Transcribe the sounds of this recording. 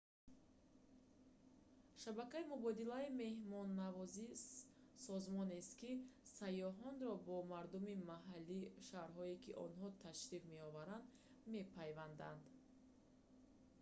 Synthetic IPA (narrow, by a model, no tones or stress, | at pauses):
ʃabakaimubɔd̪ilaime̞hmɔnːavɔzi | sɔzmɔnest̪kisajɔɦɔnɾɔbɔmaɾd̪umimaɦalːiʃaɾɦɔekiʔɔ̰nɦɔt̪ʰaʃɾiqme̞ɔvaɾand̪ | me̞pʰajvand̪a̰nd̪